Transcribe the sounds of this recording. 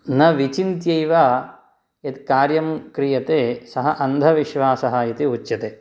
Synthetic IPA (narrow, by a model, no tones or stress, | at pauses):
nɐʋit͡ʃint̪jɐjʋaː | jɐt̪kaːɾjɐmkɾijɐt̪eːsɐɦɐʔɐnd̪ʱɐʋiʃʋaːsɐɦajɐt̪iut͡ʃːjɐt̪eː